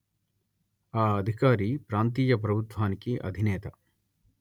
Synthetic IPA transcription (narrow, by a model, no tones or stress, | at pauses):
aːɐd̪ʱikaːɾiːpɾaːnt̪̬iːjɐpɾɐbʱut̪ʋaːnikiʔɐ̰d̪ʱineːt̪ɐ